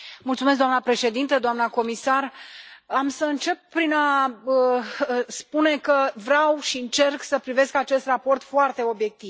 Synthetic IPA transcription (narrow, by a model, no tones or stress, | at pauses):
mult̪sumes̬ɡd̪oamnəpɾe̞ʃe̞d̪int̪əd̪oamnəko̞misaramsəɨnt͡ʃe̞pːɾinaəspune̞kəvɾawʃiɨnt͡ʃe̞rksəpɾive̞skat͡ʃe̞st̪rapo̞rt̪foart̪e̞o̞bje̞k̚t̪iv